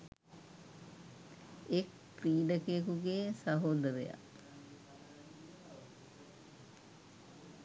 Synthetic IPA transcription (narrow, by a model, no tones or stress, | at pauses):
ek | pɾiːɖəkejekuɡeːsaɦoːd̪əɾeja̰